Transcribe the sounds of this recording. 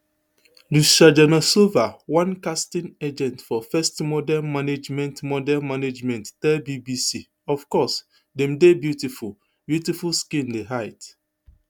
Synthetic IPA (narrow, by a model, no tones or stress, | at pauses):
luʃad͡ʒɛnɔsovawãnkastĩned͡ʒɛ̃ntfɔfɛstmɔdɛnmaned͡ʒmɛ̃ntmɔdɛnmaned͡ʒmɛ̃nttɛbibisi | ɔvkɔs | dɛ̃mdebjutiful | bjutifulskĩndeɦaɪt